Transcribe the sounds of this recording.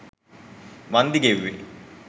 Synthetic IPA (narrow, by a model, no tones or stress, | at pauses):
ʋɐnd̪iɡeʋːḛ